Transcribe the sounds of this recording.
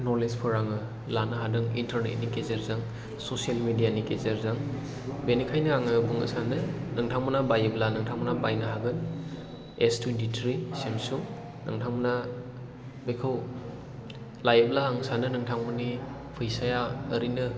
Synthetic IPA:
nɔɾlespʰɯɾaŋɯ | lanɯɦadɯŋintɐɾnḛt̚nikezeɾzaŋ | sosijalmidijanikezeɾzaŋ | benikʰajnɯaŋɯbuŋə̰sanɯnɯŋtʰaŋbɯnabajeblanɯŋtʰaŋbɯnabajnɯɦaɡɯn | estʰunditɾisemsuŋ | nɯŋtʰaŋmɯna | bekʰɯw | lajeb̚laaŋsanɯnɯŋtʰaŋmɯni | pʰɯjsajaːɾinɯ

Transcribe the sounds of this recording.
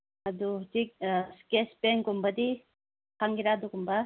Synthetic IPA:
ɐd̪utik̚skespeŋkumbɐd̪i | kʰaŋɡiɾad̪ukumbɐ

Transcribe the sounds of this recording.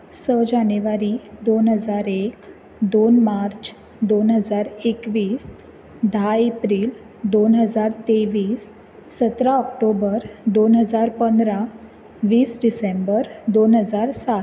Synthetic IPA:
səd͡ʑanjuʋaɾid̪onɦəd͡zaɾek | d̪onmaɾt͡ɕ | d̪onɦəd͡zaɾekʋiːs | d̪ʱaepɾiːl | d̪onɦəd͡zaɾt̪eʋiːsː | ət̪ɾaɔkʈobəɾd̪onɦəd͡zaɾpənd̪ɾa | ʋiːsɖisembəɾd̪onɦəd͡zaɾsa

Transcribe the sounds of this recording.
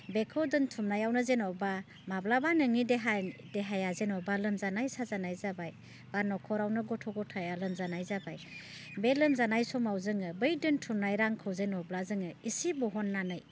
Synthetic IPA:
bekʰɔdɯntʰumnajawnɯzenɔba | mablabanɯŋideɦadeɦajazenɔbalɯmzanajsazanajzabaj | b̥aɾnɔkʰɔɾawnɯɡɔtʰɔɡɔtʰajalɯmzanajzabaj | belɯmzanajsɔmawzɯŋɯbɯjdɯntʰumnajɾaŋkʰɯwzenɔblazɯŋɯisibɔɦɔnːanɯj

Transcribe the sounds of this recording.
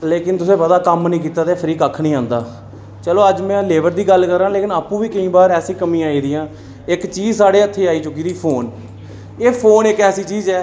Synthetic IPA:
leːkɪnt̪ʊsẽːbəd̪aːkəmnĩːkiːt̪aːt̪eːpʰəɾiːkəkʰːnĩːãːnd̪a̰ː | t͡ʃəloːəd͡ʒmɛ̃ːleːʋəɾd̪iːɡəlkəɾːãːleːkɪnaːpũːʋiːkəĩːbaːɾɛːsĩːkəmĩːaːiːd̪iːãː | ɪkt͡ʃiːd͡ʒsaːɽeːət̪ʰːeːaːiːt͡ʃʊkiːd̪iːpʰoːn | eːpʰoːnɪkɛːsiːt͡ʃiːzɛː

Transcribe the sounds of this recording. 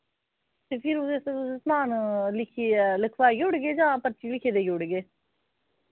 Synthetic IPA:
t̪eːpʰɪɾʊeəsmaːnlɪkʰiləkʰʋaːɡʊɽɡeːd͡ʒãːpəɾt͡ʃilɪkʰeːd̪eːɡʊɽɡeː

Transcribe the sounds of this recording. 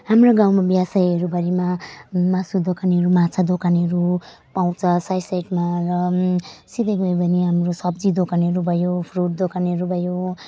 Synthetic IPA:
hamroɡãwmabjasajʌɾubʱʌɾimamasud̪okaneɦʌɾumat͡sʰad̪okaneɦʌɾu | paw̃t͡sʰʌsajsajʈmarʌsid̪eɡʌbʱʌniɦamrosʌb̚d͡zid̪okaneʌɾubʱʌjopʰruʈ̚d̪okaneɾubʱʌjo

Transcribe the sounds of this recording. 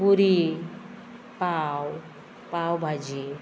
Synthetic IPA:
buɾi | paw | pawbʱad͡ʒi

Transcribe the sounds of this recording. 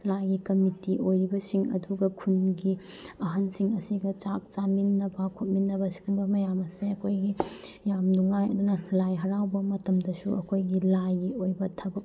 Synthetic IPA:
lajɡikɐmitiʔojɾibɐsiŋɐ̰duɡɐkʰunɡi | ɐɦɐnsiŋɐsiɡɐt͡ʃak̚t͡ʃaminːɐbɐkʰot̚minːɐbɐsi̥ɡumbɐmɐjamɐseɐkʰojɡi | jamduŋajɐ̰dunɐlajɦɐɾawbɐmɐtɐmdɐsuʔɐ̰kʰojɡilajiojbɐtʰɐbɐk̚

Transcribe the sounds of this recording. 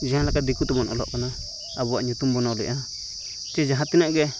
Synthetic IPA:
ʒahãlakad̪ikut̪umãnã̰lo̰konã | aβuaɲũt̪umbonãlḭʔã | t̪eʒaɦãt̪inãɡe

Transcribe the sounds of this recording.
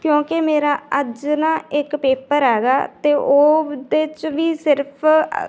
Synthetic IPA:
kjõːkemeːɾaːəd͡ʒnãːɪkpeːpəɾɦɛːɡaːt̪eːʔoːd̪et͡ʃʋiːsɪɾpʰ

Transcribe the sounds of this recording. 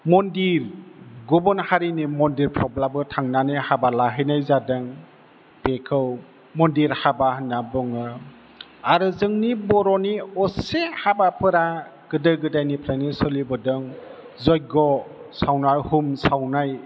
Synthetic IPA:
mɔndiɾɡɔbɔnhaɾinimɔndiɾpʰɾɔblabɯtʰaŋnanɯhabalaɦɯjnajzadɯŋ | pekʰɯw | mɔndiɾhabahnabɔŋɯ | aɾɯzɯŋnibɔɾɔniɔsehabapʰɯɾaɡ̥ɯdɯɡɯdajnipʰɾanisɔlibɔdɯŋ | zɔjɡɔ | sawnajhumsawnaj

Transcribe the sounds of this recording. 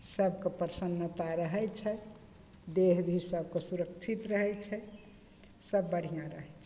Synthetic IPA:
səbkepəɾsənːət̪aɾəɦɛt͡ʃʰɛ | d̪eɦbʱisəb̚ʱkesuɾək̚t͡ʃʰit̪ɾəɦɛt͡ʃʰɛ | səbːəɽ̤ijãɾəɦɛt͡ʃʰɛ

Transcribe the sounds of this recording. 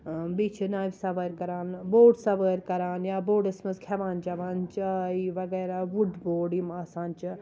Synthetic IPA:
biːt͡ʃʰnaːʋʲsɐʋəɾkɐɾaːnboːɖsɐʋəɾkɐɾaːnjaːboːɖɐsmɐzkʰeʋaːnd͡ʒɐʋaːnt͡ʃɐiʋɐɡeːɾaʋuɖboːɖimɐsãːnt͡ʃi

